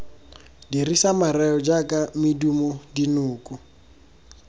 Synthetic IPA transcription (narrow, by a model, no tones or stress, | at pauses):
dirisamarɛɔd͡ʒakʼamɪdumɔdinʊːkʼu